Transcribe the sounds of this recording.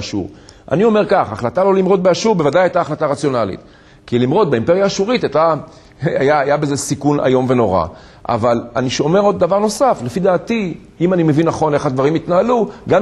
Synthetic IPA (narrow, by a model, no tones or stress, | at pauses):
ʃṵʁʔa̰nio̞me̞ʁkaχaχlat̪alo̞limʁo̞t̪̚beaʃuʁbe̞vadajajtaːχlataʁat͡sjo̞nalḭt̪ | kilimʁo̞t̪̚beimpe̞ʁjaːʃuʁit̪ajt̪a | ajaːjabezesikuna̰jo̞mve̞no̞ʁa̰ | ʔa̰valaniʃome̞ʁo̞d̪ːavaʁno̞safle̞fid̪aːti | imanime̞vinːaχo̞ne̞χad̪vaʁimit̪naaluɡam